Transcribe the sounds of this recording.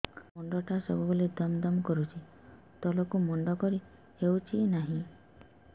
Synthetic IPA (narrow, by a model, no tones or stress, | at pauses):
mɔɳɖɔʈʰasɔbʱubolid̪ɔmd̪ɔmkɔɾut͡ʃʰi | t̪ɔlokumɔɳɖɔkɔɾi | hewt͡ʃʰinaɦĩ